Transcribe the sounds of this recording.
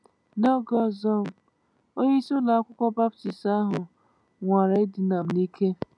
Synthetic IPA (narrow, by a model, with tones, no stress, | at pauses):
nɔ˦ɡɔ˦zɔ˦m̩˨ | o˦ɲe˦i˦so˦na˨a˦kʷʊ˦kʷɔ˦ba˦pti˨sa˦ɦʊ˨ | ŋʷa˨ɾa˨ɪ˦dɪ˨˦na˨m̩˨ni˦kʰe˦